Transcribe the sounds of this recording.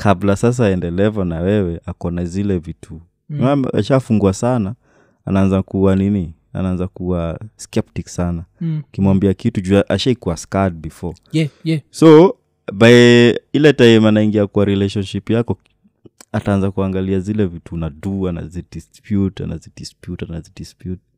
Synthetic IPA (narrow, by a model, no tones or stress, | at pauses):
kʰablasas̬aɛndɛlɛvɔnawɛwɛakɔnazilɛvitʰu | mama̰ʃafuŋɡuasana | a̰naanzakuwanini | a̰naanzakuaskɛptiksanaukimwambiakitud͡ʒuaʔaʃaikuwaskad̚bifɔ | sɔ | baɛilɛtaɛmanaiŋɡiakuaɾilɛʃɔnʃipjakɔ | ataanzakuaŋɡaliazilɛvitunaduana̰zidispjuta̰na̰zidispjutanazidispjut̚